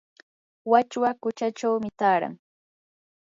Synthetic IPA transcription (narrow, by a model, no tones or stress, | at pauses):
wat͡ʃwakʊt͡ʃat͡ʃawmɪt̪aːɾa̰ŋ